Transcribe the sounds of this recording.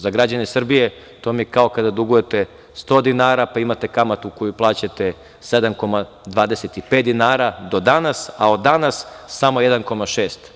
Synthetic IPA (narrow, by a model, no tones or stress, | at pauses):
zaɡɾad͡ʑanesr̩bije | t̪o̞mijkao̞kad̪ad̪uɡuje̞t̪e̞ | st̪o̞d̪inaːɾapaimat̪e̞kamat̪uukojuplˠaːt͡ɕat̪e̞ | sed̪amko̞ma | d̪ʋaːd̪e̞set̪ipe̞t̪d̪inaːɾad̪o̞d̪anasao̞d̪ːanasːamo̞jed̪anko̞maʃeːst̪